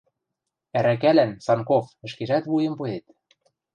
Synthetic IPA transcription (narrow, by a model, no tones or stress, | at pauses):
æɾæk̬ælænsɑnkofɘ̆ʃkeʒæt̪βujĕmpuet̪